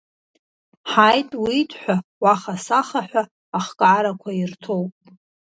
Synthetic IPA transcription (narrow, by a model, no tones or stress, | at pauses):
ħajtʼwitʰʼħʷᶣawaχasaχaħʷᶣaː | χkʼaɾakʷʰairtʰowpʼ